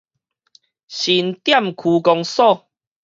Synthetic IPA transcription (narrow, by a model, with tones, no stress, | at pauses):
ɕi˨˦nt̪ja˥˨mkʰu˨˧˦kɔ˧ŋsɔ˥˧˨